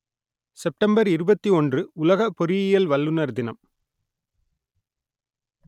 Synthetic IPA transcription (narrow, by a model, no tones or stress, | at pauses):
sɛp̚ʈɐmbɐɾɪɾɯbɐt̪ːiɔndrɯʊlɐɣɐpːɔɾɪjɪjɐlʋɐlːɯnɐɾðɪnɐm